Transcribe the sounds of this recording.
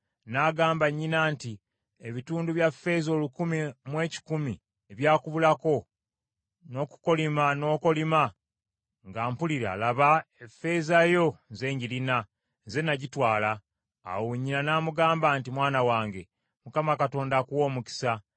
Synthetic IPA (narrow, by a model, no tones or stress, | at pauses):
naɡaːmbaɲːinaːnti | eβituːnduβjafːe̞zo̞lukumimwe̞ːci̥kumi | e̞βjaːkuβulako̞ | no̞ku̥ko̞limano̞ːko̞lima | ŋɡaːmpuliɾa̰ːlaβaefːe̞ːzajo̞ze̞ːɲɟiɾina | ze̞naɟitwaːla̰ː | weɲːinanaːmuɡaːmbaːntimwaːnawaːŋɡe̞ | mukamakato̞ːndaːkuwo̞ːmuki̥sa